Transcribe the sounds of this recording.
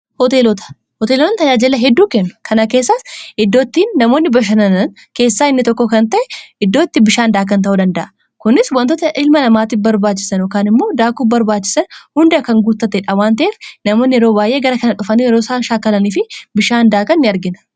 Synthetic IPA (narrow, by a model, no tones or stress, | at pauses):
hɔt̪eːlɔt̪ɐ̥ | hɔt̪eːlɔt̪ɐnt̪ɐd͡ʒaːd͡ʒɪlːɐɦɛd̪ːuːkɛnːʊ̥kʰɐnɐke̞ːsːasɪd̪ːoːt̪ːiːnːɐmoːnːɪbɐʃ̬ɐnɐnɐn | ke̞ːsːaːɪnːɪt̪ɔkːɔkɐnt̪ɐʔɛɪd̪ːo̞ːt̪ːɪbɪʃaːnd̪aːk̬ɐnt̪̬ɐʔuːd̪ɐnd̪ɐʔɐ | kʊnːɪswɐnt̪oːt̪ɐʔɪlmɐnɐmaːt̪ɪfbɐɾbaːt͡ʃːɪ̥sɐnɔkaːnɪmːo̞ːd̪aːkuːbɐɾbaːt͡ʃːɪ̥sɐnhʊnd̪ɐɐkɐŋɡuːt̪ːɐt̪ːɛᶑɐwaːnt̪ɐʔeːfnɐmo̞ːnːɪjɛɾo̞ːbaːjʔe̞ːɡɐɾɐkɐnɐᶑʊfɐniːjɛɾoːsaːʃaːkːɐlɐniːfɪbɪʃaːnd̪aːkɐnːɪɐɾɡɪnɐ̥